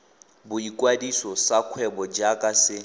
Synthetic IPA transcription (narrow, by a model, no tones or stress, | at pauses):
bʊikʼwadisɔsakʰwɛbɔd͡ʒakʼasɪ